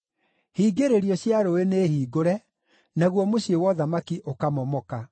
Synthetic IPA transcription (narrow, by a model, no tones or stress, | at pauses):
hiːɡeɾeɾijɔɕjaɾoeneːhiːɡoɾɛ | naɣwɔmoɕiewɔðamakiʔokamɔmɔka